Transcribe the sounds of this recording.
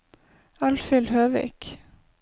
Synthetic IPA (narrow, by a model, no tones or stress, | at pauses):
ɑlfɪlhøːʋḭːk